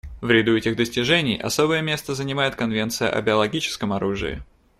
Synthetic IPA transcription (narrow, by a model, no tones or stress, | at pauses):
vɾʲɪd̪uɛtʲɪɣd̪əsʲtʲɪʐɛnʲɪjɐ̰sobəjəmʲe̞st̪əzənʲɪmajɪt̪̚kɐnvʲe̞nt̪sɨjə̰ʔɐ̰bʲɪɐlˠɐɡʲit͡ɕɪ̥skəmɐɾuʐɨ̰ɪ̰